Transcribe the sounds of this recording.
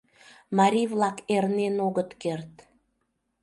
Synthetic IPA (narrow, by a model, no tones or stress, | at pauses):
mɑɾʲivlɑkernenoɣət̪kert̪